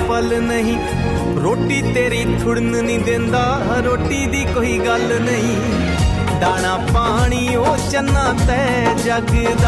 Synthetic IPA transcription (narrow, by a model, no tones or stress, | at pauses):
pəlnəɦĩː | ɾoːʈiːt̪eːɾiːʈʰʊɽnnĩːd̪ẽːnd̪aː | ɾoːʈiːd̪iːkoːiːɡəl | nəɦĩː | ɖaːɽ̃aːpaːɽ̃iːɦoːt͡ʃənːaːt̪ɛː | d͡ʒəɡd̪aː